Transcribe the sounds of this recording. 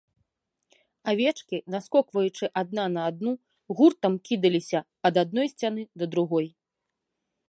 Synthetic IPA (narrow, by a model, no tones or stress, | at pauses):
avʲɛt͡ʂkʲinaskɔkvɐjut͡ʂɨʔad̪̚nanɐːd̪nu | ɣurt̪ɐmkʲid̪ɐlʲisʲɐpɐd̪ad̪̚nɔjsʲt͡sʲanɨd̪ɐd̪ɾuɣɔj